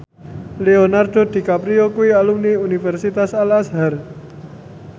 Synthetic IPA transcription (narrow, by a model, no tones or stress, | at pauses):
leonard̪̥o̤d̪̥i̤kapɾiokuialumniunifɛrsit̪asalasɦar